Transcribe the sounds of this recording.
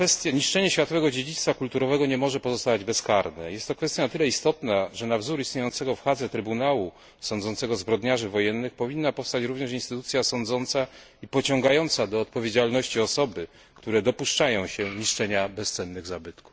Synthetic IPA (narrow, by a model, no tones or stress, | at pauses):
fɛst̪ʲjaɲiʂt͡ʂɛɲɛɕfʲjat̪ɔvɛɡɔd͡ʑed͡ʑit̪st̪fakult̪uɾɔvɛɡɔɲɛmɔʐɛpɔzɔst̪avad͡ʑbɛskaɾnɛ̰jɛst̪ːɔkfɛst̪janat̪ɘlɛist̪ɔt̪naʐɛnavzuɾist̪ɲejɔnt̪sɛɡɔfxad̪zɛt̪ɾɘbunawu | sɔ̃nd̪zɔnt̪sɛɡɔzbɾɔd̪ɲaʐɘvɔjɛnːɘxpɔvʲinːapɔfst̪at͡ɕɾuvɲɛʂinst̪ɘt̪ut̪sʲjasɔnd̪zɔnt̪sa | ipɔt͡ɕɔ̃ŋɡajɔnt̪sad̪ɔːt̪̚pɔvʲjed͡ʑalnɔɕt͡ɕiɔsɔbɘ | kt̪uɾɛd̪ɔpuʂt͡ʂajɔ̃w̃ɕɛɲiʂt͡ʂɛɲabɛst̪sɛnːɘɣzabɘt̪ku̥f